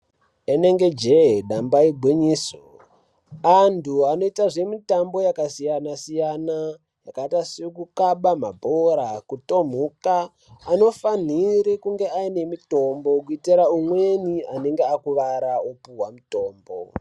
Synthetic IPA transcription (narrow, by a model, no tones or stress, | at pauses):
ene̞ŋɡe̞d͡ʒeɗambaibʱwiɲiːso | antʰuano̞itaʐe̞mitambo̞jakasijanasijana | jakaitasikukaɓamabʱoɾakuto̞m̤ukaː | no̞fan̤iɾikuŋɡe̞aine̞mito̞mbo̞kuitiɾaumwe̞niane̞ŋɡeakuʋaɾaopuwamuto̞ːmbo̰